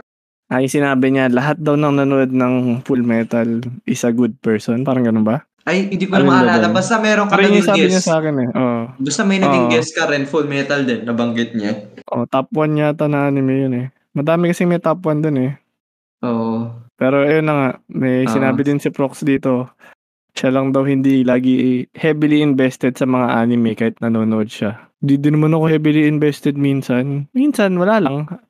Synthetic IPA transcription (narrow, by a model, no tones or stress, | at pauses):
ʔɐjʊŋsɪnaːbɪɲalɐɦat̪̚d̪ɐwnɐŋnɐnoʔod̪̚nɐŋfulmɛːt̪ɐlʔɪsaɡud̪̚pɛɹsonpaːɾɐŋɡɐnonbɐ | ʔɐjɪnd̪ikoɐmɐɐɐlaːlɐbast̪ɐmɛːɾoŋkɐɾinisaːɲasaːkɪnɛʔoʔbɐst̪ɐmɐjnɐoɪŋɡɛskɐɾɛnfulmɛːt̪ɐld̪ɛnːɐbɐŋɡɪt̪̚ɲaʔo̰t̪apwɐnɲɐt̪ɐnaːnɪmojʊnɛ | mɐd̪aːmɪkɐsɪmɛjt̪apwɐnd̪onɛ | ʔoːʔopɛːɾo̞ʔɐjonːɐŋaʔmɛjsɪnaːbɪd̪ɪnsɐpɾoksd̪iːt̪o̞ | ʃalɐŋd̪ɐwhɪnd̪ilaːɡɪhɛbɪliʔɪnbɛst̪ɛd̪̚sɐmɐŋaʔaːnɪmɛkaːhɪt̪̚nɐnoːnoʔod̪̚ʃa | d̪id̪ɪnmonɐkohɛːbɪliʔɪnbɛst̪ɛd̪̚minsɐnminsɐnwɐlaːlɐŋ